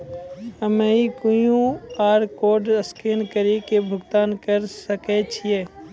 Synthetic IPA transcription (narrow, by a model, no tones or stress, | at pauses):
əmeikujũaːɾkoːɖəskeːnkəɾekebʱʊɡt̪aːnkəɾsəket͡ʃʰijeː